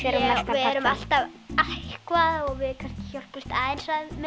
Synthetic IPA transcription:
ɛɾvɪɛɾʏmal̥t̪avahkvaðɔɣvɪðkʰascɪçɔr̥pɪst̪aːensaðmɛ

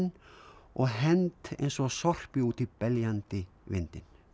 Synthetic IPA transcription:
nɔɣɦɛnt̪ḛjnsɔɣsɔr̥pɪuːt̪ɪpɛljant̪ɪ | vɪnt̪ɪn

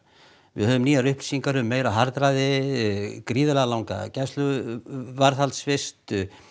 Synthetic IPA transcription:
vɪ̰ðhœːvʏmniːaɾʏhpli̥siŋkaɾʏʏmeːjɾawɦaɾt̪ɾajðɪ | kɾiːðʏlɛɣalawŋka̰cɛst̪lʏvaɾθalt̪sfɪst̪

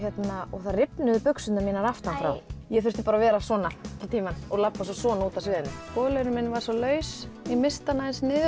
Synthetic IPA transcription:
çjɛt̪naɔɣθaðrɪpnʏðʏpʏksʏnamɛːnaɾaft̪anfɾa̰wjɛɣfʏɾ̥st̪ɪ̥paːɾavɛːɾasvɔːnat̪ʰɪlt̪ʰiːmanɔɣlapːasɔsɔːnauːt̪asvɪːðɪnːɪskɔːlœɾmɪnːvaɾ̥sɔlœːɥsimɪst̪anaðɪnsnɪː

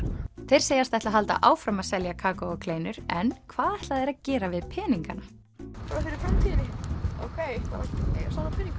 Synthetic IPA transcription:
θejɾ̥seːjast̪ɛht̪aɦalt̪a̰ʔaːwfɾamaðsɛljakʰaːkɔɔkʰleːjnʏɾɛnkʰvaːðɛht̪laðɛɾaðcɛːɾavɪðpʰɛːniŋkana | paɾafɪɾɪɾfɾamt̪ʰiːɪnɪo̰wkʰejkʰa̰ɾaḛja̰saːnapʰɛnĩŋk

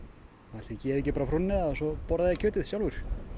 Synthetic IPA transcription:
at̪ɪcɛːɾɛcɪpaɾafɾunːɪasɔpɔɾðaðɪkcʰœːt̪ɪðsjawlvʏɾ̥

